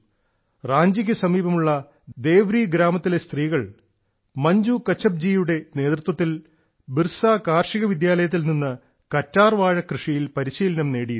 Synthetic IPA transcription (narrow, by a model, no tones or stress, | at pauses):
raːɲd͡ʑiɣʲɐsɐmiːbɐmuɭːɐ | d̪e̞ːʋɾiɡɾaːmɐt̪ːile̞st̪riːɣɐɭ | mɐɲd͡ʑukɐt͡ɕːɐb̚d͡ʑijuɽe̞ne̞ːt̪rut̪wɐt̪ːil | birsaːkaːrʂiɣɐʋid̪jaːlɐjɐt̪̬ːilninːɨ | kɐtːaːrʋaːɻɐkrɨʂijilpɐɾiɕiːlɐnɐmne̞ːɽij